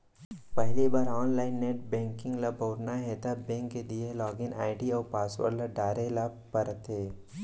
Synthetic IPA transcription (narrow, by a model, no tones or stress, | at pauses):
pɐɦlibaːɾɔːnlaːɪnːeːʈ̚bɛ̃ːŋkɪ̃ŋɡlabʱoːɾnaɦɛt̪abɛ̃ːŋkːed̪ielɔːɡɪnaːɪʈiɔːɾpaːswə̰ɾlaɖaːɾela | pəɾt̪ɦeː